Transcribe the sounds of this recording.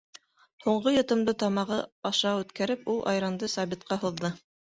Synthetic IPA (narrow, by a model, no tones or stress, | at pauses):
huɴɢojŏt̪ɤ̆md̪ɤt̪ɑmɑʁɤɑʃɑʉt̪kæɾɘpulˠʔɑ̰jɾɑnd̪ɤsɑβit̪̚qɑɦŭðːɤ